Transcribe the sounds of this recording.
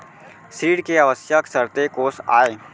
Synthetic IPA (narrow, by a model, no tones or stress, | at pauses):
sɾiːɽkeɐʋəsjəksəɾt̪ekoːsa̰ːeː